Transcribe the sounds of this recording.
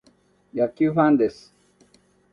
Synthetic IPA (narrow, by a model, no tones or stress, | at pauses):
jakufãnd̪es